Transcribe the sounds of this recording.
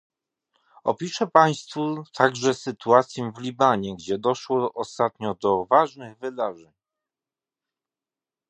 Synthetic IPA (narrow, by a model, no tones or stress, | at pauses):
ɔ̰pʲiʂɛpaj̃st̪fut̪ʰaɡʐɛsɘt̪uat̪sʲjɛ̃vlʲibaɲɛɡd͡ʑɛd̪ɔʂwɔʔɔst̪at̪ɲɔd̪ɔvaʐnɘɣvɘd̪aʐɛɲ